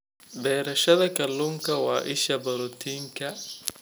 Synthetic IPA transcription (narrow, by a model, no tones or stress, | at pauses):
bɛːɾɐʃɐðɐkʰɐlːuːŋkʰɐwɑ̰ːʔɪʃɐbɐɾɔt̪ʰiːŋkʰɐ